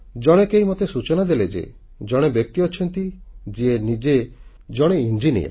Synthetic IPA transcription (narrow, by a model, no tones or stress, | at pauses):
d͡ʒɔɽ̃ekeimɔt̪esut͡ʃɔnad̪eled͡ʒḛ | d͡ʒɔɽ̃ebjɔk̚t̪iɔt͡ʃʰɔnt̪id͡ʒienid͡ʒe | d͡ʒɔɽ̃eind͡ʒinḭḛ